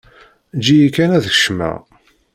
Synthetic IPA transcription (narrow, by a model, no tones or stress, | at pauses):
d͡ʒijikːænæðəç̥ʃmæ̰